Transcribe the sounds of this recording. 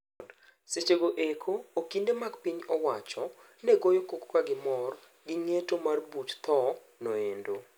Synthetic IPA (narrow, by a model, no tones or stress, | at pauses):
d | set͡ʃeɡoʔekʰoːkindemaɡpiɲɔwat͡ʃɔ | nɛɡojokokkaɡɪmɔr | ɡɪŋetomarbutt̪ɔ | noendo